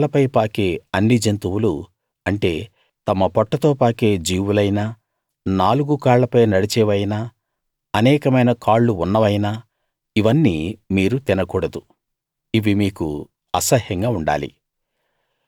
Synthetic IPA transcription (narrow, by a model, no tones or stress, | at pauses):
lɐpɐjpaːkeːɐnːid͡ʒent̪uwulu | ɐɳʈe̞ː | t̪ɐmɐpɔʈːɐt̪o̞ːpaːkeːd͡ʒiːwulɐjnaː | naːluɡukaːɭːɐpɐjnɐɽit͡ʃɛːʋɐjnaː | ɐnɛːkɐmɐjnɐkaːɭːuunːɐʋɐjnaː | iʋɐnːiːmiːɾut̪inɐkuːɽɐd̪u | iʋimiːku | ɐsɐhjɐŋɡaːuɳɖa̰ːlḭ